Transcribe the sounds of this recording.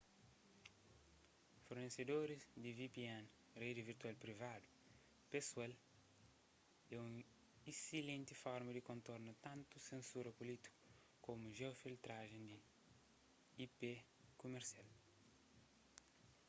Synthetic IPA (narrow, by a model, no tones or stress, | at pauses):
foɾnesed̪oɾizd̪ivipiãn | red̪iviɾt̪ualpɾivad̪u | pesuɛl | ɛũ | isilẽnt̪ifɔɾmɐd̪ikõnt̪oɾnɐt̪ãnt̪usẽnsuɾɐpulit̪i̥ku̥ | komuʒɛwfilt̪ɾaʒẽnd̪i | ipe | kumeɾsial